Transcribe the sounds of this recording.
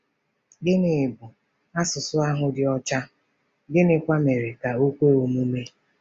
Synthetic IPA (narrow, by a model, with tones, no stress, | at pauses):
ɡɪ˦nɪ˨bʊ˨ | a˦sʊ˨sʊ˦a˦ɦʊ˦dɪ˨ɔ˦t͡ʃa˦ | ɡɪ˦nɪ˨kʷa˦me˨ɾe˨ka˨u˦kʷe˦o˨mu˦me˦